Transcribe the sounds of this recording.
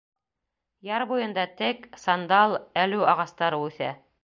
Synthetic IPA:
jɑɾbujɤ̆nd̪ɑt̪ɘksɑnd̪ɑlˠælʉɑʁɑst̪ɑɾɤʉθæ̰

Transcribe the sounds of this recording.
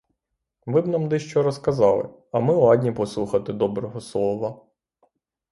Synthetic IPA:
ʋɪbnɑmd̪ɪʃt͡ʃɔɾɔskɐzɑlˠɪ̰ | ɐmɪɑd̪ʲnʲipɔslˠuxɐt̪ɪd̪ɔbɾɔɦɔslˠɔʋɐ

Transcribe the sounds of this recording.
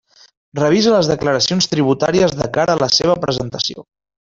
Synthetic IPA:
rəβ̞izələzðəkləɾəsionst̪ɾiβ̞ut̪aɾiəzðəkaɾəːləseβ̞əpɾəzənt̪əsio̰

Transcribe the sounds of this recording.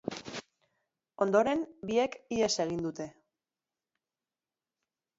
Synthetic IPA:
o̞nd̪o̞ɾe̞nbie̞kie̞se̞ɣ̞ind̪ut̪e̞

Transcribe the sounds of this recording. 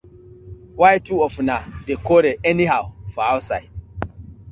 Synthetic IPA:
wajtuɔfunadekɔɾeɛniɦawfɔawsajd

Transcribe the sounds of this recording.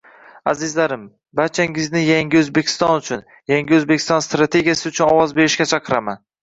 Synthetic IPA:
azɪzlaɾɪm | baɾt͡ʃʰaŋɪznɪjaŋʲɪɵzbekʲʰɪ̥st̪ɒnʊt͡ʃʰʊn | jaŋɡʲɪɵzbekʲʰɪ̥st̪ɒnst̪ɾat̪ʰe̞ɡʲijasɪʊt͡ʃʰʊnɒwɒzbe̞ɾɪʃkʲat͡ʃʰɑqʰɨɾaman

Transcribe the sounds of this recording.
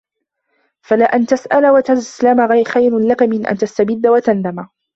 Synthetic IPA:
falaːʔant̪asʔalawat̪azslamaɣajɾxajɾlakamɪnʔa̰nt̪ast̪abɪd̪ːawat̪and̪ama

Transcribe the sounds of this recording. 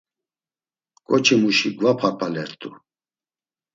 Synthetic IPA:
kʼɔt͡ʃʰimuʃiɡvapʰapʰalɛɾt̪ʼu

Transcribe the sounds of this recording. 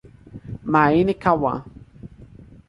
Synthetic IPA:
mainekawa̰

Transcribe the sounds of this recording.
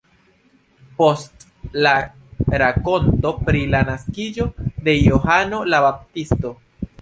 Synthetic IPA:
po̞st | la | ɾako̞nto̞pɾilanaskid͡ʒo̞de̞joɦano̞labap̚tisto̞

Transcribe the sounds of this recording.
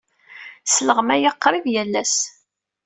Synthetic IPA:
sələʁmæjəqːɾˤiðjælːæs

